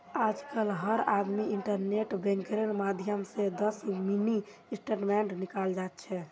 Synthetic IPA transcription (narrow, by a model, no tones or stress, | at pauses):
ad͡ʒkəlɦəɾad̪miiɳʈəɾneʈbẽŋkɾeɾmad̪ʱjəmsẽd̪əsmini | sʈeʈmɛɳɖnikald͡ʒat̪̚t͡ʃʰɛ